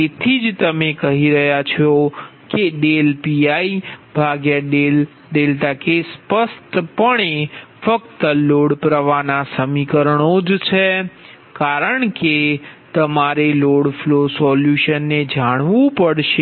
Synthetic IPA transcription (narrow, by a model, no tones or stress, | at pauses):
tet̪ʰid͡ʒt̪əmekəɦiɾəɦjat͡ʃʰokeɖelpiaibʱaɡjaɖel | ɖelʈ̪akespəst̪pəɳefəkt̪əloɽpɾəʋanasəmikəɾəɳod͡ʒt͡ʃʰe | kaɾəɳket̪əmaɾeloɽflosɔljuʃənːed͡ʒaɽ̃ʋũpəɽʃe